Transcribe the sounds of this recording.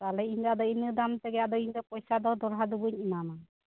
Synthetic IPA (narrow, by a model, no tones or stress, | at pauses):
t̪alɛiɲt̪ad̪ɔinid̪amt̪ɛɡɛjaʔd̪ɔiɲd̪ɔpɔjsad̪ɔd̪ɔɽɦad̪ubuɲinana